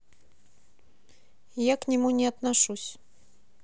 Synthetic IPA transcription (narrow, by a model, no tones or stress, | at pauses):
jaknʲɪmunʲɪat̪naʂusʲ